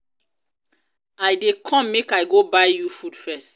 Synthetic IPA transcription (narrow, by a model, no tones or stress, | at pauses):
ajdekʰɔ̃mːekajɡobajjufudfɛst